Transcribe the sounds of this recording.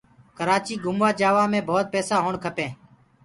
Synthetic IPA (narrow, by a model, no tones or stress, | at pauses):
kəɾaːt͡ʃiːɡʊmʋaːd͡ʒaːʋaːmẽːbʱoːt̪̚peːsaːɦoːɳkʰəpẽː